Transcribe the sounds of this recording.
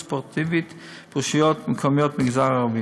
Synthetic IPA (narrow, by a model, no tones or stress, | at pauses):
spɔʁt̪ʰivit̪ | puʃjɔtmɪkʰɔmjɔtmɪɡzaʁəʁvi